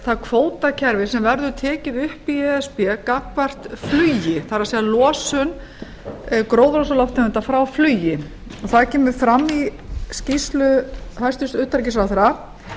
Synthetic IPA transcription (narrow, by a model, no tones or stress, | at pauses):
θaðkʰvoːwt̪acʰɛɾvɪsɛmvɛɾðʏt̪ʰɛːcɪðʏhpiɛɛspɛkakvar̥t̪flyːjɪθaɾasɛɣðalɔːsʏn | kɾoːwðɾosalɔft̪ɛʏnt̪afɾawflyːjɪ | ɔɣθaðcʰɛːmʏɾfɾamːiscist̪lʏhajst̪ʏst̪ʏht̪aɾcɪs̬ɾawθaɾa